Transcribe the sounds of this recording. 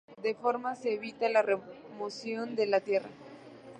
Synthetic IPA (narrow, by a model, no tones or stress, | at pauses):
d̪e̞fo̞ɾmaseːβit̪alaremosjo̞nd̪e̞lat̪je̞ra̰